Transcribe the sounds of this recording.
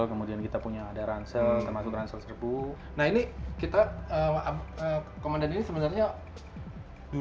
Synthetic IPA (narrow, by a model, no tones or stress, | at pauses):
lkəmudiankit̪apuɲaːdaɾansəlt̪ərmasʊkransəlsərbu | nahinikit̪aəmaəkomandaninisəbənarɲa | du